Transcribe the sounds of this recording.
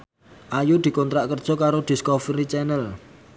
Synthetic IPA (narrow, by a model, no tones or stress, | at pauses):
ʔajud̪̥i̤kɔnt̪ɾaʔkərd̥ʒ̥ɔ̤kaɾod̪̥i̤skɔfɾit͡ʃɛnəl